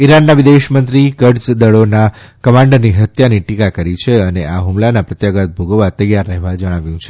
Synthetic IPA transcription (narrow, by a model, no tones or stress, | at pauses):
iɾanːaʋid̪eʃmənt̪ɾikəɖsd̪əɭonakəmãɳɖəɾniɦət̪janiʈikakəɾit͡ʃʰeəneʔaɦumlanapɾət̪jaɡət̪̚bʱoɡəʋat̪əjaɾːəɦeʋad͡ʒəɽ̃aʋjũt͡ʃʰe